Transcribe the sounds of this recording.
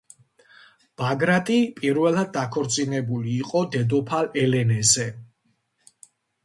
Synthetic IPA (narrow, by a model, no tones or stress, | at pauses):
b̥aɡɾat̪ʼipʼiɾvɛlˠad̪̚ːakʰɔɾt̪sʼinɛbuliːqʼɔd̪ɛd̪ɔpʰalɛlɛnɛzɛ